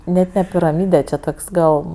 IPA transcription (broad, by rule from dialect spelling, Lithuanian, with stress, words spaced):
ˈnʲɛt nʲɛ pʲɪrɐˈmʲiːdʲɛ t͡ʃʲɛ ˈtoːks ˈɡɐlˠ